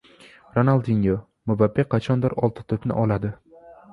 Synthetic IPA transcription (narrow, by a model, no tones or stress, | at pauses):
ɾonalˠd̪iŋo | mʊbapːeqʰːɑt͡ʃʰɒnd̪ɪɾɒlˠt̪ʰɪ̥t̪ʰɵpnɪ̰ʔɒlad̪ɪ